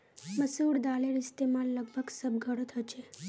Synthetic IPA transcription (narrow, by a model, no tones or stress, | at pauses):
məsuɽd̪aleɾɪst̪emãlləɡ̚bʱəɡsəbɡʱəɽot̪ʰət͡ʃʰe